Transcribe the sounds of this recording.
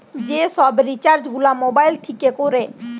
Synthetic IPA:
d͡ʑeʃɔbɾit͡ɕaɾd͡ʑɡʱulamobajlt̪ʰikekoɾe

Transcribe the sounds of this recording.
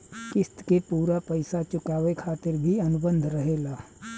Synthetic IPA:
kɪst̪kepuːɾapəɪsat͡ʃʊkaːʋekʰaːt̪ɪɾbʱiɐnʊbə̃nd̪ʱɾəɦeːlaː

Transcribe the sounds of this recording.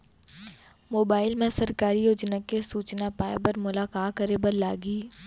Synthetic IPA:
moːbaːɪlmẽsɐɾkaːɾijoːd͡ʒnakːesuːt͡ʃnapaːebɐɾmʊlaːkaːtkɐɾebɐɾlaːɡiː

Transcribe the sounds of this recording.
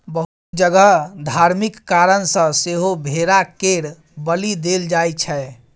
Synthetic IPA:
bəɦut̪d͡ʒəɡəɦd̪ʱaɾmikːaɾənsə̃seɦobʱeɾakeɽ | bəlid̪eld͡ʒajt͡ʃʰɛ

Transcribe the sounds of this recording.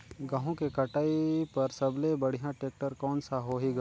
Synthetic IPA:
ɡãːɦõkekɐʈaːipɐɾsɐblebɐɽ̤ijãʈeːk̚ʈəɾkɔːnsaɦoɦiɡa

